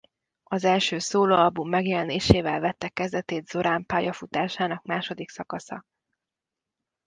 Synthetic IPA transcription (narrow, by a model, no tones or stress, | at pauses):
ɒzɛlʃøːsoːloːɒlbumːɛɡjɛlɛneːʃeːvɛlvɛt̪ːɛkːɛzd̪ɛt̪eːd̪z̥o̞ɾaːmpaːjɒfut̪aːʃaːnɒkmaːʃo̞d̪iksɒkɒsɒ̰